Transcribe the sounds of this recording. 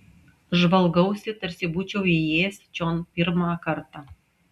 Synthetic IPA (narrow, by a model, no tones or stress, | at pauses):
ʒʋɐlˠɡɐʊsʲɪt̪ɐɾʲsʲɪbuːt͡ʃʲɛʊijeːsʲt͡ʃʲoːnpʲɪɾmɑːkɐɾt̪ɑ